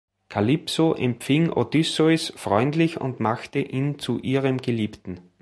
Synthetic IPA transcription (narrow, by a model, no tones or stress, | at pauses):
kʰalipsoʔɛmpfɪŋo̰d̥ʏsɔsfʁɔʏndlɪçʊ̰̃ndmaxtəʔiːnt͡suʔiːʁəmɡ̥əliːptn̩